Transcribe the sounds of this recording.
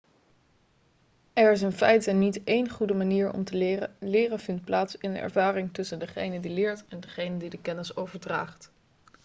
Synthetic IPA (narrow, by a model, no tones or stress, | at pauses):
ɛɹɪs̬ənfɛjtɛnːitejnχudəmaniːɹɔ̰mtəlɪːrəlɪːrəvɪntplaːtsɪndəʔɛ̰ɹvaːrɪŋtɵsəndəχejnədilɪːɹtɛndəχejnədidəkɛnɪsowvəɹdra̰ːχt